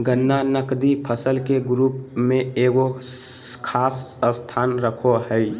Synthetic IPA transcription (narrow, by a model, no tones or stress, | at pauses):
ɡənːanəkd̪ipʰəsəlkeɡɾuːpmẽeːɡo | kʰaːsəst̪ʰaːnɾəkʰoɦəɪ